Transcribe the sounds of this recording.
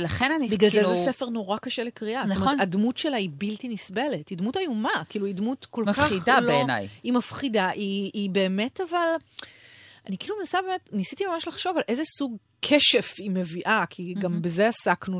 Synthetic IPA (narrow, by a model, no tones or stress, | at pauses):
lɐχenanibiɡlalzezesefeʁno̞ʁakaʃelekʁiʔastometadmutʃelaibiltinisbele̞tidmutajumakiːluidmutko̞lmkaaidaloeena̰jimafχidaʔiːbe̞ːme̞taval | ʔanikilumenasabemetnisitimamaʃlaχʃo̞valʔe̞zesuɡ | kʰeʃefimeviʔakʰiɡambezeasaknu